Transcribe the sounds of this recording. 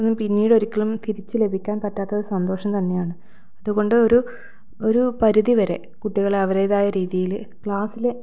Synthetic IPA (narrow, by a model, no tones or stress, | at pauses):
nːumpinːiːɽo̞ɾikʲːɐɭumt̪iɾit͡ɕːɨle̞bʱikʲːaːnpɐtːaːt̪ːɐoɾusɐnd̪o̞ːʂɐmt̪ɐnːe̞jaːɳɨ | ɐðuɣo̞ɳɖɨo̞ɾu | o̞ɾupɐɾuðiʋɐɾe̞̰ | kuʈːiɣɐɭɐʋɐɾeːðaːjɐɾiːðijil | kɭaːsile